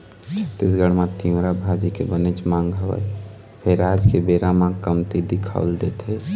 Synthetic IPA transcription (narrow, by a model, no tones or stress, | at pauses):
t͡ʃʰət̪ːis̬ɡəɽmãt̪iɾabʱad͡ʒikebənet͡ʃmãŋɡɦəwə̰j | pʰeɾad͡ʒkebeɾamãkəmt̪id̪ikʰa̰ld̪et̪ɦe